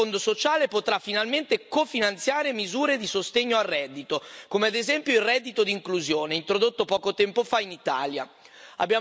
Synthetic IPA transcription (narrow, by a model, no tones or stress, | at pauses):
ond̪osot͡ʃaːlepot̪ɾafinalment̪ekofinant̪sjaːɾemizuːɾed̪isost̪eɲːoarːɛd̪ːit̪okomead̪ezɛmpjoilrɛd̪ːit̪od̪iŋkluzjoːneint̪ɾod̪ot̪ːopɔːkot̪ɛmpofainit̪a̰ːlja̰ | a̰bːja